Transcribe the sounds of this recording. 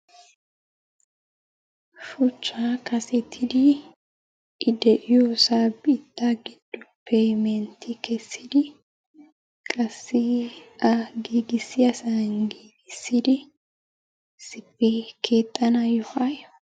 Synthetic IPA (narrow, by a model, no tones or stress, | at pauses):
fʊt͡ʃʼːaːkɐsɛt̪ʰːɪd̪i | ɪd̪ɛʔɪjoːsaːbt̪ʼːaːɡɪd̪̥ːʊ̥pʰejmɛnt̪ikɛsːɪd̪ɪ | kʼɐsːiaɡiːɡɪsːɪɐsɐŋɡiːɡɪsːɪd̪ɪ | sɪpːikʰeːt̪ʼːɐnɐjɔhaj